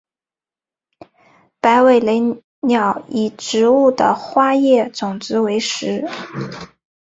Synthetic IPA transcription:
pa˧˥ɪwe˨˩ɪle˧˥ɪ | njɑ˨˩ʊi˨˩ʈ͡ʂɻ̩˧˥u˥˩d̪ə̰˩xwa˥jɛ˥˩t͡sʊ˨˩ŋt͡sɹ̩˧˥we˧˥ɪʂɻ̩˧˥

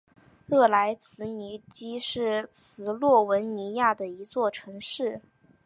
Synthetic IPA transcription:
ɻɤ˥˩la˧˥ɪt͡sʰɹ̩˧˥ni˧˥t͡ɕi˥ʂɻ̩˥˩t͡sʰɹ̩˧˥lwɔ˥˩wə˧˥nni˧˥ja˥˩d̪ə˩i˧˥t͡swɔ˥˩ʈ͡ʂʰɤ˧˥ŋʂɻ̩˥˩

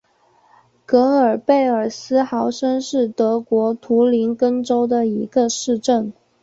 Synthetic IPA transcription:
kɤ˧˥ə˞˨˩pe˥˩ɪə˞˨˩sɹ̩˥xɑ˧˥ʊʂə˥nʂɻ̩˥˩t̪ɤ˧˥kwɔ˧˥t̪ʰu˧˥li˧˥nkə˥nʈ͡ʂo˥ʊd̪ə˨i˧˥ɡə˧ʂɻ̩˥˧ʈ͡ʂə˥˩n

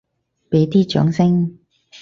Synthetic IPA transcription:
pe˨˥jt̪iː˥t͡ʃœ̰ː˨˥ŋsɪ˥ŋ

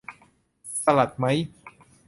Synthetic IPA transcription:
sa˧la˨˩t̪̚ma˦˥j

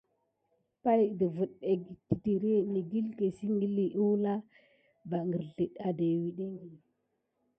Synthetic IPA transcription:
pa˦jdə˨vu˨ɗe˨ɡti˨ti˨ɾe˦ni˨ɡi˦lke˨si˦ŋɡi˦li˨ʔu˦wla˦ | ba˨ŋɡə˨ɾɬi˨ɗa˨de˨wi˨ɗe˦ŋɡi˨

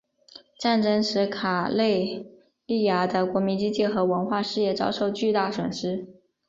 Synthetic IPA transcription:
ʈ͡ʂa˥˩nʈ͡ʂɤ˥ŋʂɻ̩˧˥kʰa˨˩le˥˧ɪ | li˥˩ja˧˥d̪ə˧kwɔ˧˥mi˧˥nt͡ɕi˥t͡ɕi˥˩xɤ˧˥wə˧˥nxwa˥˧ʂɻ̩˥˧jɛ˥˩t͡sɑ˥ʊʂo˥˧ʊt͡ɕy˥˧t̪a˥˩swə˨˩nʂɻ̩˥

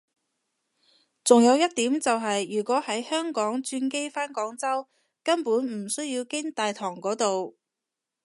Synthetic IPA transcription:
t͡sʊ˨ŋjɐ˨˧wjɐ˥t̚t̪iː˨˥mt͡sɐ˨wɦɐ˨jjyː˨˩kʷɔː˨˥hɐ˨˥jhœː˥ŋkɔː˨˥ŋt͡ʃyː˧nke˥jfaː˥nkɔː˨˥ŋt͡sɐ˥w | kɐ˥npuː˨˥nm̩˨˩sɵ˥ɥjiː˧wkɪ˥ŋt̪aː˨jt̪ʰɔː˨˩ŋkɔː˨˥t̪o˨w

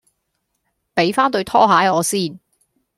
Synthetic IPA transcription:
pe˨˥jfaː˥nt̪ɵ˧ɥt̪ʰɔː˥ɦaː˨˥jɔː˨˧siː˥n

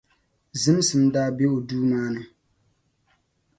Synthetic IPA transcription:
zɨ˦m˦sɨ˨mdaː˦be˦o˨duː˦maː˦nɨ˦

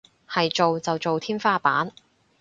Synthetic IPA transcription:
hɐ˨jt͡ʃo˨wt͡sɐ˨wt͡ʃo˨wt̪ʰiː˥nfaː˥paː˨˥n

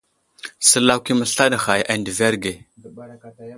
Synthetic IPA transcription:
sə˨˦la˦ki˦mə˨ɬa˦da˨xa˨jʔa˨ndə˨ve˦ɾɡe˨

